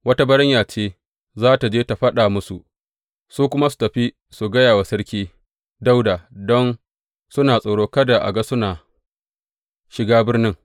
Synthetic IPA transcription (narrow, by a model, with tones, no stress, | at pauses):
wɐ˦ta˦bɐ˦ɽɪ˦ɲjaː˨t͡ʃeː˦ | zaː˦ta˨d͡ʒeː˦ta˨ɸɐ˦ɗa˨mʊ˦su˨ʔ | suː˦kʷʊ˦ma˦su̥˨tɐ˨ɸi˦ | su˨ɡɐ˦jaː˨wa˨sɐ˦ɽkʲiː˦ | da˦wda˨dɔ˦n | sʊ˦naː˨sʼɐ˨ɽoː˦kɐ˦da˨ʔa̰˨ɡɐ˦sʊ˦naː˨ | ʃɪ˨ɡaː˦bɪ˦rnɪ˦ŋ